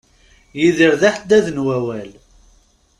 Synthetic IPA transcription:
jiðəɾðaħd̪æðnwæwæl

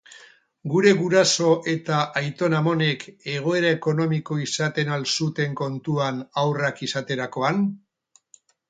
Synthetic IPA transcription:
ɡuɾe̞ɣuɾaso̞ʔe̞t̪aʔajt̪o̞namo̞ne̞ke̞ɣ̞o̞e̞ɾae̞ko̞no̞miko̞isat̪e̞nalsut̪e̞ŋko̞nt̪uanawrakisat̪e̞ɾako̞an

